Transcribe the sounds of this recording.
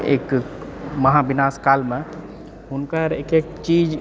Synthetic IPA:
ḛːk | məɦabinaskalmẽ | ɦʊnkaɾekek̚t͡ʃid͡ʒ

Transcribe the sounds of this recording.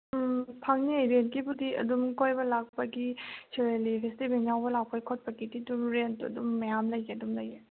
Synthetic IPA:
pʰɐŋniejɾentkibudiɐ̰dumkojbɐlak̚pɐɡisʰeɾelipʰestibenjawbɐlak̚pɐjkʰot̚pɐɡitituɾɾentɐ̰dumːɐjamlɐjiɐdumlɐje

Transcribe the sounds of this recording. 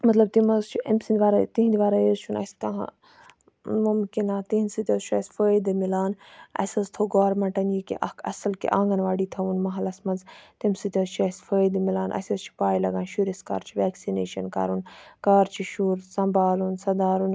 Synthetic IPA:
mɐt̪lɐb̚t̪imɐzt͡ʃʰiɐmsind̪ʋaːɾat̪iɦnd̪ʋaːɾajezt͡ʃʰunɐ̰st̪ɐɦ | mumkinaːt̪iɦinsit̪ʲɐzt͡ʃʰuɐsʲfəːid̪ɨmilaːnɐ̰sɐzt̪ʰoɡoːɾmɐɳʈɐnjikḭʔɐkʰɐ̰sɐlkḭʔãːŋɡɐnʋaːɽiːt̪ʰɐʋunmɐɦɐlɐsmɐnzt̪imsit̪ʲɐzt͡ʃʰɐsfəːd̪ɨmilaːnʔɐ̰sʲɐzt͡ʃʰi̥paːjlɐɡãːnʃuɾiska̰ːɾt͡ʃʰiʋɛːksinḛːʃɐnka̰ːɾunkaːɾt͡ʃʰiʃuːɾsɐmbaːlunsɐd̪aːɾun

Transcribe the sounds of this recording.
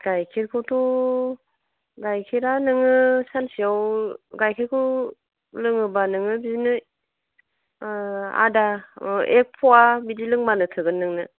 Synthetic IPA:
ɡ̥ajkʰiɾkʰɔwtʰɔ | ɡajkʰiɾanɯŋɯsansiawɡajkʰeɾkʰɯ | lɯŋɯbanɯŋɯbizinɯ | a̰daek̚pʰɔwabidilɯŋbanɯtʰɯɡɯnːɯŋnɯ

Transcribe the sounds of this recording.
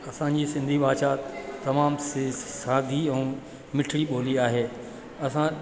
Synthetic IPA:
ɐsãɲd͡ʑiːsɪ̃nd̪ʱiʋaːʃaːt̪ːɐmaːmssaːd̪ʱiɛ̃ː | mɪʈʰɽiɓoːliaːɦeː | ɐsã

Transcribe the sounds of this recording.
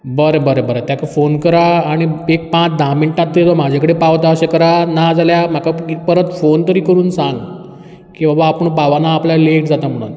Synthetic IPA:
bəɾebəɾəbəɾat̪jakafonkəɾaːɽ̃iek̚pãt͡sd̪ʱãmiɳʈãt̪̚ːit̪ɔm̤ad͡ʑʱekəɽepaʋt̪aəɕekəɾanad͡zaljam̤akaekpəɾət̪font̪əɾiːkəɾuːnsãŋɡ | kĩwʋãʋaːpəɳ̃paʋanaːplalekd͡zat̪am̤əɽ̃ṵːn

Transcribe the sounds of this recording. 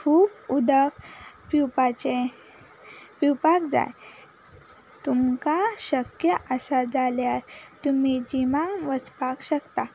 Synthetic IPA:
kʰuːbud̪əkpipat͡ɕe | piwpakd͡za̰j | t̪umkaɕəkjəʔəsad͡zaljaɾt̪umid͡ʑimãŋʋət͡spakɕəkt̪a

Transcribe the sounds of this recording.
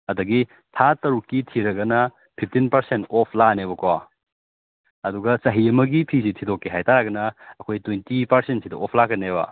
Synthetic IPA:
ɐdɐɡi | tʰatɐɾukːitʰiɾɐɡɐnɐ | pʰip̚ʰtinpɐɾsentɔpʰlanebɐkowa̰ | ɐduɡɐsɐɦiɐmɐɡipʰisitʰidokːeɦajtaɾɐɡɐnɐːkʰojtwejntipɐɾsentsidɐʔɔpʰlakɐnebɐ̰

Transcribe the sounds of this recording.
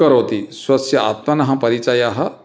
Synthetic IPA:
ɐɾoːt̪isʋɐsjɐa̰t̪mɐnɐɦɐpɐɾit͡ʃajaɦɐ

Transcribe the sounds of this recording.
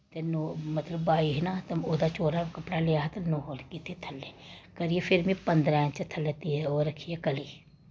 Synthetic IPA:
t̪enomɐt̪ləbːaːiɦnat̪ɐmoːd̪at͡ʃoːɾakɐpɽaleaɦt̪ɐnoɦolkit̪ʰet̪ʰɐlːekɐɾiefʰɪɾmĩpɐ̃nd̪ɾaːt͡ʃɐt̪ʰɐlːet̪iɦɛoːɾɐkʰiɛkɐliː

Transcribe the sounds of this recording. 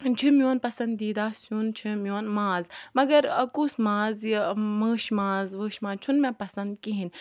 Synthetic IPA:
d͡ʒʰimʲjoːnpɐsɐ̃nd̪iːd̪aːsjunt͡ʃʰimʲjoːnmãːzmɐɡɐɾɐkusmãːziməːʃmãːzʋəːʃmãːzt͡ʃʰunmẽpɐsɐnd̪kiɦin

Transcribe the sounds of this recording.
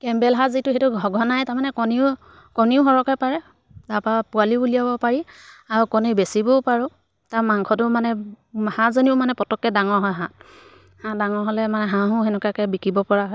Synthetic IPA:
kɛmbɛlɦazitʊxetʊɡʱɔɡʱɔnajtaɹmanɛkɔniʊ | kɔniʊxɔɹɔkɔpaɹɛ | dapapʊaliuliabɔpaɹiaɹukɔnebesibɔpaɹʊ | tamaŋkʰɔtʊmanɛ | hãzoniʊmanɛpɔtɔkːɛdaŋɔɹɦɔjɦãt | hadaŋɔɹɦɔlɛmanɛɦãɦʊ̃ɦɛnɛkakɛbikibɔpɔɹaɦɔ

